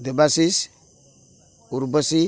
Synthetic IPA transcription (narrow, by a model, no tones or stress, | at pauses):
dəbasis | uɾbasi